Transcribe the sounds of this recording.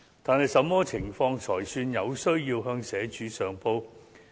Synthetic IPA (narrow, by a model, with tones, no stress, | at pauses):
t̪aː˨nhɐ˨jsɐ˨˧˥mːɔː˥t͡sʰɪ˨˩ŋfɔː˧ŋt͡ʃʰɔː˨˩jsyː˧njɐ˨˧wsɵ˥ɥjiː˧wɦœː˧ŋsɛː˨˥t͡ʃyː˨˥sœː˨ŋpo˧w